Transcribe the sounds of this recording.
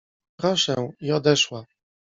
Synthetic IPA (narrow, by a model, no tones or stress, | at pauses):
pɾɔʂɛw̃iɔd̪ɛʂwa